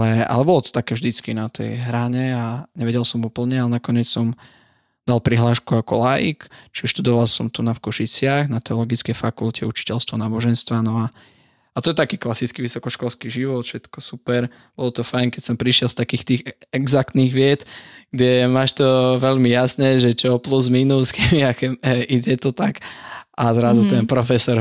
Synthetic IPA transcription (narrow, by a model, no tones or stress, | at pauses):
alɛa̰lɛbɔlɔt̪ɔ̥t̪akɛːvʒd̪it͡skinat̪ʰɛ̰jɦɾaɲɛaɲɛʋɛɟɛlˠsɔmuːpl̩ɲɛalɛnakɔɲɪɛt͡ssɔm | d̪̥alpɾiɦlaːʃkuakɔlajḭkt͡ʃiɛʃt̪ud̪ɔʋalsɔmt̪unafkɔʃit͡sɪaɣnat̪ɛɔlɔɡit͡skɛjfakulcʰɛut͡ʃi̥cɛlst̪ʋɔnaːbɔʒɛnst̪ʋanɔa | at̪ɔjɛt̪akiːklasit͡skiʋisɔkɔʃkɔlskiʒiʋɔt̪fʃɛt̪kɔsupɛɾ | b̥ɔlɔt̪ɔfajɲkɛcsɔmpɾiʃɪɛlst̪akiːxt̪iːxɛɡzak̚t̪niɣʋɪɛt̪ɡ̥ɟɛmaːʃt̪ɔʋɛʎmijasnɛʒɛt͡ʃɔɔpluzmiːnusɡɛmiaxɛmɛiɟɛt̪ɔt̪akʔazɾazut̪ɛnpɾɔfɛsɔɾ